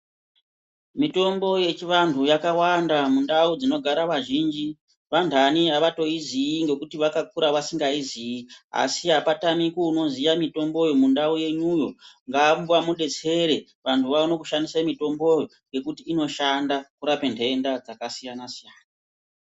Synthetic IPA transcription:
mito̞mbo̞je̞t͡ʃiʋantʰujakawandamundaud͡zino̞ɡʱaɾaʋaʒiːnd͡ʒi | ʋantʰaniaʋato̞iziiŋɡe̞kutiʋakak̚uɾaʋasiŋɡaiziia̰siapatamikuuno̞zijamito̞mbo̞jomundauje̞nujo̞ŋɡambwamuɗe̞t͡se̞ɾe̞ | ʋantʰuʋauno̞kuʃandisamito̞mbojoŋɡe̞kutiːno̞ʃandakuɾapentʰe̞ndad͡zakasijanasijaːna

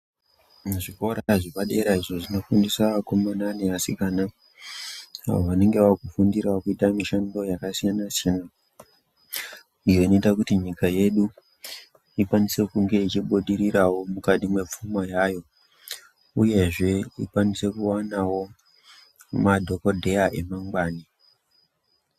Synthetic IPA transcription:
ʐiko̞ɾaʐipaɗe̞ɾaiʐo̞ʐino̞fundisako̞mananeasikana | ɦa̰woʋane̞ŋɡe̞ʋakufundiɾaokuitamiʃando̞jakasijanasjana | ijo̞ino̞itakutiɲikaje̞ɗu | ikwanise̞kuŋɡe̞it͡ʃiɓuɗiɾiɾawo̞mukaɗimwe̞p͡fumajaːjo̞ | uje̞ʐe̞ḭkwanise̞kuwanawo̞ | madʱo̞ko̞dʱe̞aʔe̞maŋɡwaːni

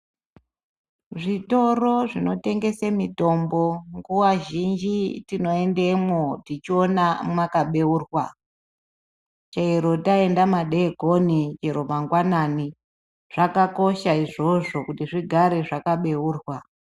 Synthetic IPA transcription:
ʐito̞ro̞ʐino̞te̞ŋɡe̞semito̞mbo̞ŋɡuwaʒind͡ʒitino̞e̞ndemodit͡ʃio̞namakaɓe̞uːrwa | t͡ʃaeɾo̞dae̞ndamaɗeɡʱo̞nid͡ʒeɾo̞maŋɡwanani | ʐ̥akako̞ʃaiʐo̞ʐo̞kutiʐiɡʱaɾe̞ʐakaɓe̞uːrwa

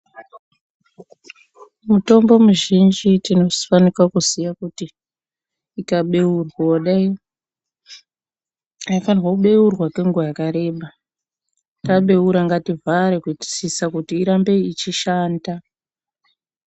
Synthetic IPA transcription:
muto̞mbo̞muʒind͡ʒitino̞zifanikwakuzijakutiː | kaɓe̞urwoɗai | ajafanirwakuɓe̞urwake̞ŋɡajakaɾe̞ːɓa | taɓe̞uɾaŋɡativʱaɾekuti̥sisakutiːɾambe̞it͡ʃiʃaːnda

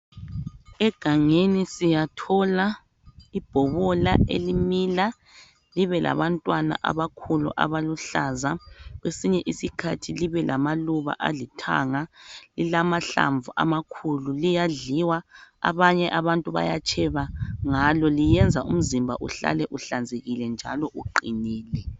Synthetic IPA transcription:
ɛɡ̥ʱaŋenisijatʰɔla | ib̥ʱɔβɔla̰ḛlimila | liβɛlʔa̰βantʼwana̰ʔa̰βakʰulṵʔa̰βaluɬaːzaɣwesiɲɛʔisikʰatʰiliβɛlʔamaluβa̰ʔalitʰa̰ŋalilamaɬa̰ɱvuʔa̰makʰululijaɮiwaa̰βaɲɛʔaβantʼuβa̰jat͡ʃʼʰɛβaŋalɔlijɛnd͡zʱaʔum̩zimbʱa̰ʔuɬa̰lɛʔuɬand͡zʱeɣilɛnd͡ʒʱalɔʔuǃiniːlɛ

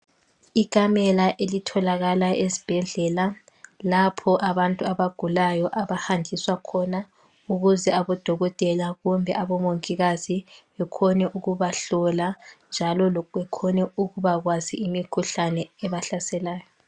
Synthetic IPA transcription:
ik̬ʼamɛlaʔelitʰɔlaɣalaezib̥ʱɛɮɛla | lapʰɔʔaβantʼuaβaɡ̥ʱulajɔʔaβahandʱiswakʰɔna | uɣuzɛaβɔd̥ʱɔɣɔtʼɛlaɣumbʱɛʔaβɔmoŋkʼiɣaziβɛkʰɔnɛʔuɣuβaɬɔland͡ʒʱalɔlɔɛkʰɔnɛuɣuβaɣwaziʔimikʰuɬanɛɛβaɬasɛlaːjɔ

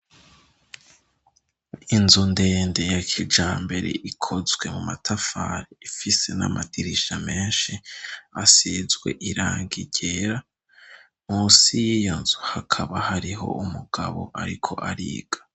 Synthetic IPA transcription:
inzunde̞ːnde̞jakʰid͡ʒaːmbe̞ɾe̞̰ʔikʰo̞zɡwe̞mumatʰafaɾiifise̞na̰mʔadiɾiʃame̞ːnʃiasizɡwe̞̰ʔiɾaːŋɡiɟe̞ɾa | musijijonzuhakʰaβahaɾiɦo̞̰ʔumuɡ̥aβo̞̰ʔaɾikʰo̞ʔaɾḭːɡ̥ḁ

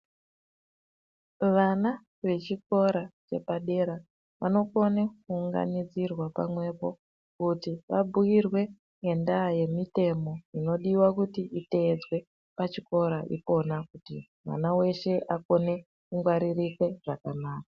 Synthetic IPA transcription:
ʋana | ʋe̞t͡ʃiko̞ɾat͡ʃe̞paɗe̞ɾa | ʋa̰no̞ko̞nekuːŋɡa̰nid͡zirwapamwe̞po̞ | kutiʋa̰buirwe̞ | ŋe̞ndaje̞mite̞mo̞ino̞ɗiwakutiʔite̞d͡zwe̞ | pat͡ʃiko̞ɾaʔḭpo̞nakutḭ | ma̰nawe̞ʃe̞ʔako̞ne̞ | kuŋɡwaɾirike̞ʐ̥akanaːkaḁ

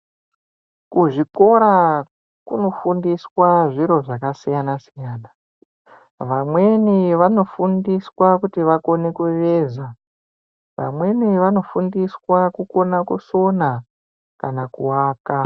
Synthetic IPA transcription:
kuʐiko̞ɾa | kuno̞fundiswaʐiɾo̞ʐakasijanasijaːna | ʋamwe̞niʋano̞fundiswakutiʋako̞ne̞kuʋeːza | ʋa̰mwe̞niʋano̞fundiswakuko̞nakuso̞na | kanakuwaːka

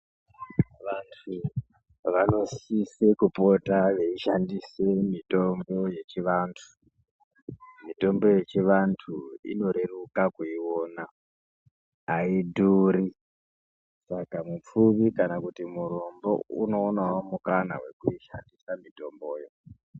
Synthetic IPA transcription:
ʋantʰu | ʋano̞sisekupo̞taʋe̞iʃandisemito̞mbo̞je̞t͡ʃiʋaːntʰu̥ | mito̞mbo̞je̞t͡ʃiʋantʰuḭno̞ɾe̞rukakuiwoːna | iduːɾi | sakamup͡fuʋikanakutimuɾo̞mbo̞̰ṵno̞ːnawomukana̰ɦwe̞kuiʃandisamito̞mbo̞ːjo̞

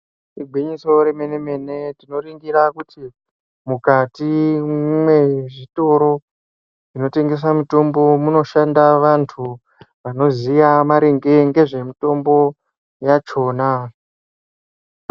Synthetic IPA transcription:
iɡʱwiɲiso̞ɾemeneme̞ne̞tino̞riŋɡiɾakuti | mukatimwe̞ʐito̞ɾo̞ | ʐino̞te̞ŋɡe̞s̬amito̞mbo̞muno̞ʃandaʋantʰu | ʋano̞zijamaɾeŋɡe̞ŋɡe̞ʐe̞mito̞mbo̞ | jat͡ʃo̞ːna

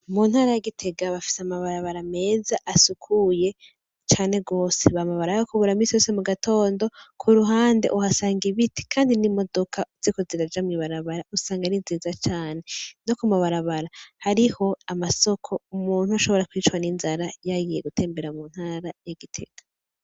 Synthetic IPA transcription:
munhaːɾajaɡitʰe̞ɡaβafi̥seamaβaɾaβaɾame̞ːzaʔasukʰuje̞ | t͡ʃaːne̞ɡo̞ːseβamaβaɾajokuβuɾamisijo̞ːsemuɡatʰo̞ːndo̞kʰuɾuɦaːndeʔuhasaːŋɡiβiti̥kʰaːndinimo̞do̞kʰazikoziɾad͡ʒamŋiβaɾaβaɾausaːŋɡaɾinziːzat͡ʃaːne̞no̞kumaβaɾaβaɾahaɾiho̞amaso̞kʰo̞umuːn̥huaʃo̞βo̞ɾakwiːt͡ʃwaninzaɾajaɡijeɡutʰe̞ːmbe̞ɾamuːn̥haːɾajaɡitʰe̞̰ɡ̥a

